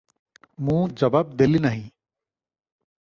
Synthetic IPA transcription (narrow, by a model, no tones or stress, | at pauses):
mũːd͡ʒɐbaːb̚d̪elinɐɦĩ